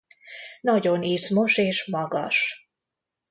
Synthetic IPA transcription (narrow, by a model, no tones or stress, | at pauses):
nɒɟoniːsmo̞ʃeːʃmɒɡɒ̰ʃ